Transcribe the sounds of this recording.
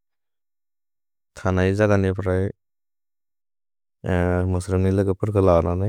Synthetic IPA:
tʰanajzadanipʰɾaj | mɯsɾɯnilɯɡɯpʰɯɾkʰɯlawanana

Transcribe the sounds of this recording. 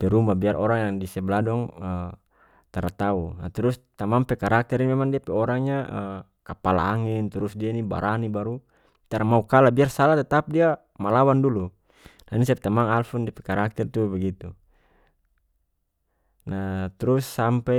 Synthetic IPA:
pɛɾumabiarʔɔɾaŋjaŋdisɛbladɔŋə | t̪aɾat̪aunat̪ɾust̪amaŋpɛkaɾak̚t̪ɛɾinmɛmaŋdiapɛɔɾaŋɲaə | kapala̰aŋint̪uɾusdiainiba̰ɾʔanibaɾu | t̪aɾamaukalabiarsalat̪at̪ap̚dia | malawandulu | nainisap̚ɛt̪amaŋalfundiapɛkaɾak̚t̪ɛrt̪ubaɡit̪u | nat̪ɾusːampɛ

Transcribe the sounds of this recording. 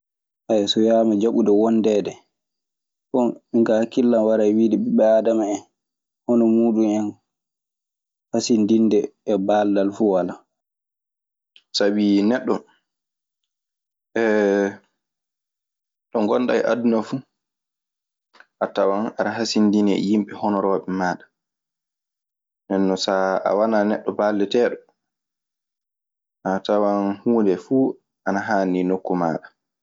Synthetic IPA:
ʔajsɔjaːmad͡ʒaɓudɔwɔndɛdɛ | kɔniŋkahkilːanwaɾajwiːdɛɓɛɓɛaːdamaɛn | hɔnɔmuːɗumɛn | hasindindɛːbaːldalfuwala | sabinɛɗːɔ | ʔɛ | ɗɔŋɡɔnɗa̰jʔadunafu | ʔatawanaɾaɦasindinɛ̰jimɓɛhɔnɔɾɔɓɛmaːɗḁ | ndɛnːɔsaa̰wananɛɗːɔbalːɛtɛːɗɔ | ʔatawanhuːndɛfuː | ʔanaɦaːninokːumaːɗa

